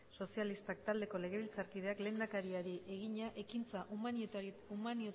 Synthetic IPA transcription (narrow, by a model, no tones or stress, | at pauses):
so̞sialist̪ak̚t̪ald̪e̞ko̞le̞ɣe̞βilt͡saɾkið̞e̞akle̞ːnd̪akaɾiaɾiʔe̞ɣ̞iɲaʔe̞kint͡saʔuman | umanio